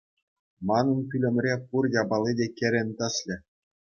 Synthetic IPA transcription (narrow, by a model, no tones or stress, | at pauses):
mɑnɤ̆nkʲylʲɘ̆mʲrʲepurjɑbɑlʲˠidʲekʲĕɾʲɘ̆nʲt̪ɤ̆sʲlʲɘ̆